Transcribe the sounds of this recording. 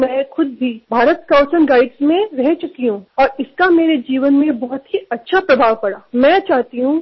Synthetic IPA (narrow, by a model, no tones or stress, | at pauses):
mɛ̃ːxʊd̪̚bʱibʱaːɾət̪kaʊsənɡaːɪɖsmẽɾɛɦt͡ʃʊkiɦũɔːɾɪskameːɾed͡ʒiːʋənmẽbɔɦʊt̪ɦiɐtːʃʰapɾɐbʱaːʋpɐɽaːmɛ̃ːt͡ʃaːɦt̪iɦũ